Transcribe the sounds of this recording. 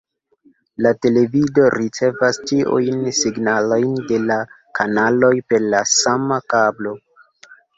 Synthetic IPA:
late̞le̞vido̞ɾit͡se̞vastiʔṵjnsiɡnalo̞jnde̞la | kʰanalo̞jpe̞ɾlasamakablo̞

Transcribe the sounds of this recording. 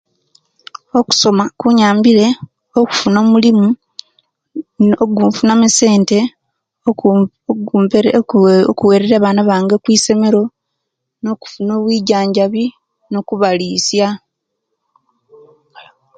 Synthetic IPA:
o̞ku̥so̞makuɲaːmbiɾe̞ | oku̥funo̞ːmulimu | oɡuːɱfunamise̞ːnte̞ | okuweːɾeɾaβaːnaβaːŋɡekwiːse̞me̞ɾo̞ | noku̥funo̞ːβwiːɟaːɲɟaβi | no̞kuβaliːsja

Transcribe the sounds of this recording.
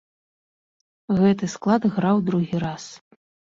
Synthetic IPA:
ɣɛt̪ɨsklˠad̪ɣɾawd̪ɾuɣʲiɾas

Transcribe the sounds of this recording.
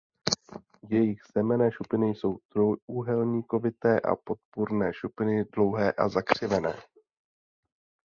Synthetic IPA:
jɛjɪɣz̥ɛmɛnɛːʃupɪnɪjso̞wd̪̥ɾojuɦɛlɲiːko̞vɪt̪ɛːʔa̰po̞t̪̚puɾnɛːʃupɪnɪdlo̞wɦɛːʔa̰zakr̝̥ɪvɛnɛ̰ː

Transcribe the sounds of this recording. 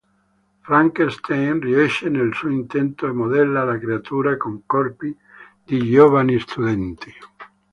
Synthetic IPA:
fɾaŋkest̪ʰejnriɛʃːenelsuoint̪ɛnt̪oemod̪ɛlːalakɾeat̪uːɾakoŋkɔrpi | d̪id͡ʒovanist̪ud̪ɛnt̪i̥

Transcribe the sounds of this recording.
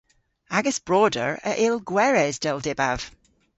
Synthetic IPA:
aɡəsb̥ɹɔːdə̰ɹə̰ʔelˠɡwɛɹɛzd̥ɛlˠdɛba̰v̥

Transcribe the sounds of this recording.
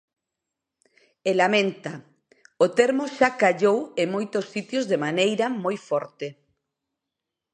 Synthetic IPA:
elamẽnt̪a | ot̪eɾmoʃakaʎoweŋmojt̪osːit̪jozðemanejɾamojfɔɾt̪e

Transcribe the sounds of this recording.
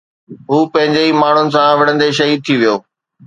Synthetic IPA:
ɦuːpɐ̃ɦɪ̃ɲd͡ʑeimaːɳ̤ʊnɪ̆sãʋɐɽə̃nd̪eʃ̬ɐɦiːd̪̚t̪ʰiʋijoː

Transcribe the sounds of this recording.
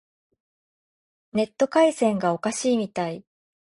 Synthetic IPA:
ne̞t̪ːo̞kaisẽ̞ŋɡao̞kaɕiːmʲit̪ai

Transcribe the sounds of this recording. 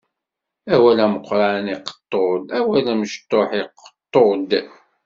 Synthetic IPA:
æwælæməqʷːɾˤɑniqə̥t̪ˤːod̪æwælæməʃt̪ːoħiqːə̥t̪ˤːod̪

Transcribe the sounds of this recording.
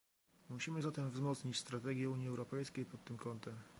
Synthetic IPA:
muɕimɘzat̪ɛmvzmɔt̪sɲit͡ɕst̪ɾat̪ɛɡʲjɛuɲjiɛwɾɔpɛjskʲejpɔt̪ːɘmkɔnt̪ɛm

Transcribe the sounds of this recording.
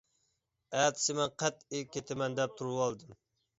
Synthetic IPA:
æt̪ʰsɪmɛnqʰæt̪ekʲːet̪ʰɪmɛnd̪ɛp̚t̪ʰuɾuwɑlˠd̪ɨm

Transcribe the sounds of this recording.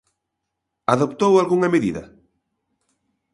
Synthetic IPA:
aðopt̪owalɣuŋɐmeðiðɐ̰

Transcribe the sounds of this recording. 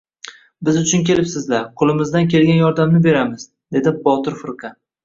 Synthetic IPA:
bɪzʊt͡ʃʰʊnkʲe̞lɪpsɪzlaɾqʰʊlˠɪmɪzd̪ankʲe̞lɡʲanjɒɾd̪amnɪbe̞ɾamɪz | d̪e̞d̪ɪbɒt̪ɪɾfɪɾqʰɑ

